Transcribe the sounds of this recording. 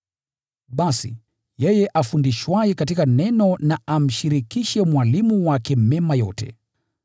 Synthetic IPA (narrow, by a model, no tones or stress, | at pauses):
ɓasḭ | jɛjɛʔafundiʃwaɛkatikanɛnɔnaʔam̩ʃiɾikiʃɛmwalimuwakɛmɛmajɔtɛ̰